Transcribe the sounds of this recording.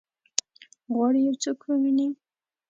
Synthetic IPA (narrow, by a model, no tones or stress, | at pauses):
ɣwɑɽijawt͡sokwəmini